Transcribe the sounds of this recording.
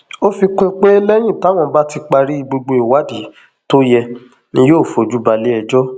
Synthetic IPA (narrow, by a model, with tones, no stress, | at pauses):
o˦fi˧ke˦k͡pe˦e˦lɛ˦j̃ĩ˦˨ta˨˦w̃ɔ̃˧ba˦ti˧k͡pa˧ɾi˦i˧ɡ͡bo˧ɡ͡bo˧i˨wa˦di˨˦ | to˦jɛ˧ | nĩ˦joː˦˨fo˨d͡ʒu˦ba˧le˨˦ɛ˧d͡ʒɔ˦